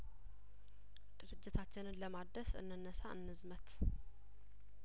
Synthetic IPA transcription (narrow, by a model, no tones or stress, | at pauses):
d̪̥ɨɾɨd͡ʒːɪt̪ʰat͡ʃːɪnɨnləmad̪ːəsɨ̰nːɨnːəsaʔɨ̰nːɨzmət̪